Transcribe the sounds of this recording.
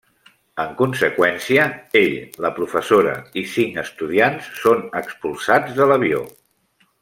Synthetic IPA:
əŋkunsəkwɛnsiəeʎləpɾufəsoɾə̰isiŋəst̪uð̞iansːonəkspulˠsad͡zðələβio̰

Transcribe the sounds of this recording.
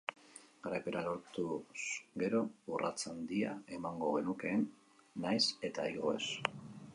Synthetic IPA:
ɡaɾajpe̞ɾalo̞ɾt̪usɡe̞ɾo̞ura̰t͡sand̪iae̞maŋɡo̞ɣe̞nuke̞ːnː | ajse̞t̪ajɣoes

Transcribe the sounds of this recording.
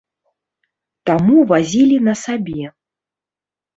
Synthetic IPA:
t̪amuvazʲilʲinɐsabʲɛ

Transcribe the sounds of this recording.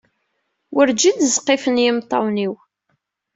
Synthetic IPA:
wəɾd͡ʒid̪zqːefənjɪmt̪ˤːɑwniw

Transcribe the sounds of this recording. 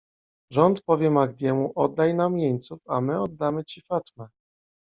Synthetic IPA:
ʐɔnt̪pɔvʲjɛmaɡd̪ʲjɛmuʔɔd̪ːajnamjeɲt̪sufamɘɔd̪ːamɘt͡ɕifat̪mɛ

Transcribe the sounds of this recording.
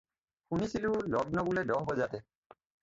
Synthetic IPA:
xunisilulɔd̚nɔɡulɛdɔɦbɔzatɛ

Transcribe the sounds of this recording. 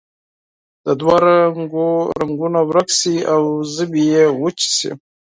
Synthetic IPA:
d̪̥əd̪waɾaŋɡoɾaŋɡunawɾaksiawzəbijewət͡ʃi̥sḭ

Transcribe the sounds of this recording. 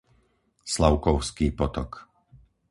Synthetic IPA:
slaʊkɔʊskiːpɔt̪ɔ̰k

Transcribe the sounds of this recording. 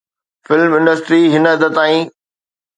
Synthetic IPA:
fɪlmɪ̃ɳɖəsʈɾiːɦɪnəəd̪ət̪ːaːĩː

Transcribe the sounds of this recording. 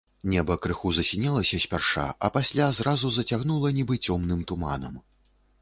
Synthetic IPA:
nʲɛbɐkɾɨxuzɐsʲinʲɛlˠɐsʲɐsʲpʲarʂa̰ʔɐ̰pasʲlʲazɾazuzɐt͡sʲaɣnulˠɐnʲibɨt͡sʲɔmnɨmt̪uma̰nɐ̰m

